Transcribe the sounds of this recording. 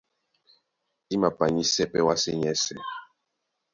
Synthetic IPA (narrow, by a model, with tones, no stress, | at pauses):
i˦ma˨pa˨ɲi˦sɛ˦pɛ˦wa˦sɛ˦ɲɛ˦sɛ˨